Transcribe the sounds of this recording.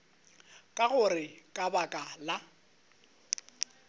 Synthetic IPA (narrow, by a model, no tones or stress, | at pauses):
kʼaɣʊrɪkʼabakʼala